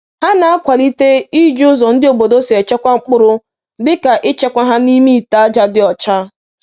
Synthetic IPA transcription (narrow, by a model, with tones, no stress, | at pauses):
ha˦na˨a˦kʷa˨li˦te˦i˦d͡ʒʊ˦zɔ˨n̩˦dɪ˦o˨bo˨do˦si˨e˨t͡ʃe˦kʷa˦ŋ͡m̩˦k͡pʊ˦ɾʊ˦ | dɪ˦ka˨ʔɪ˦t͡ʃe˦kʷa˦ɦa˦ni˦mi˦˨ta˨˦d͡ʒa˦dɪ˦ɔ˨t͡ʃa˦